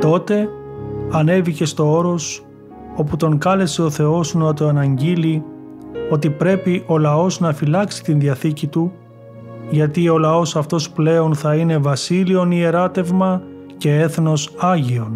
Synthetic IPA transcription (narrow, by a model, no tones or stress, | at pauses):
t̪o̞t̪e̞ | ɐne̞vice̞st̪o̞o̞ɾo̞s | o̞put̪o̞ŋkɐle̞se̞o̞θe̞o̞snot̪oɐnɐɲɟili | o̞t̪ipɾe̞piʔo̞lɐo̞znɐfilɐksi̥t̪inðiɐθicit̪u | ʝɐt̪io̞lɐo̞sɐft̪o̞sple̞o̞nθɐine̞vɐsilio̞nie̞ɾɐt̪e̞vmɐ | ce̞eθno̞sɐʝio̞n